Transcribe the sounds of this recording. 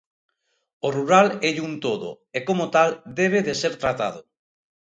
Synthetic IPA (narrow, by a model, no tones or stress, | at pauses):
oruɾalɛʎunt̪oðo̰ | ekomot̪ald̪eβ̞eðeseɾt̪ɾat̪aðʊ